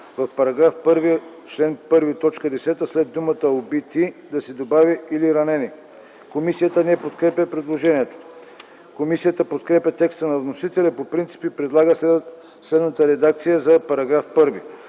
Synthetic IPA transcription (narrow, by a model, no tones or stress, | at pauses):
vɐfpɐɾɐɡɾafpəɾvi | t͡ʃlɛnpɤɾvit̪ɔt͡ʃkəd̪ɛsɛt̪əslɛd̪ːumət̪əobit̪id̪ɐsɛd̪obaviiliɾɐnɛni | komisijət̪ənɛpot̪kɾɛpʲɐpɾɛd̪lˠoʒɛniɛt̪o̥ | komisijət̪əpot̪kɾɛpʲɐt̪ɛkst̪ənɐvnosit̪ɛlʲɛpopɾint̪si̥pipɾɛd̪lˠaɡə | slɛd̪nət̪əɾɛd̪ak̚t̪sijəzɐpɐɾɐɡɾafpɤɾvi